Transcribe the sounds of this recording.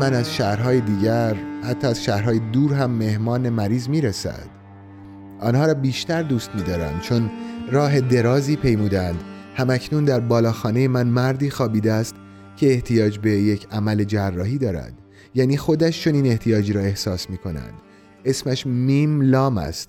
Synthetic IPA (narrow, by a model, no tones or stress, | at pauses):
mænæzʃæɾɦɒːjed̪iːɟæɾhæt̪ʰːɒːæzʃæːhɾhɒːjed̪uːɾɦæmːe̞hmɒːne̞mæɾiːzmiːɾesæ̰d̪̥ | ʔɒːnhɒːɾɒːbiːʃt̪æɾd̪uːst̪miːd̪ɒːɾæ̰nd̪̥̚t͡ʃʰo̞nrɒːɦe̞d̪e̞ɾɒːziːpʰe̞jmuːd̪ænd̪ | hæmæcʰnund̪æɾbɒːlɒːxɒːne̞je̞mænmæɾd̪iːxɒːbiːd̪eæːst̪ | cʰe̞ːht̪ʰijɒːd͡ʒbe̞je̞cʰæmæle̞d͡ʒærːɒːhiːd̪ɒːɾæ̰nd̪̥ | jæːniːxo̞d̪æʃt͡ʃʰo̞niːne̞ht̪ʰijɒːd͡ʒɾɒːe̞hsɒːsmiːkʰo̞næ̰nd̪̥ | e̞smæʃmimlɒːmæ̰st̪